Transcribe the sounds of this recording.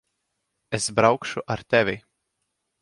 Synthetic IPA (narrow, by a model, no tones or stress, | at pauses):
esbɾawkʃuʔaɾt̪ɛvʲi